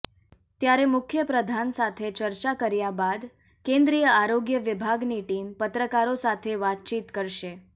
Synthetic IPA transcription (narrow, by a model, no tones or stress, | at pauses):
t̪jaɾemʊkʰjəpɾəd̪ʱansat̪ʰet͡ʃəɾt͡ʃakəɾjabad̪ | kẽnd̪ɾijəaɾoɡjəʋɪbʱaɡniʈimpət̪ɾəkaɾosat̪ʰeʋat̪̚t͡ʃit̪kəɾʃe